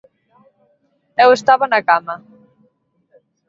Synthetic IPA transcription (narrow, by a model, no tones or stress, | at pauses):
ewest̪aβanakama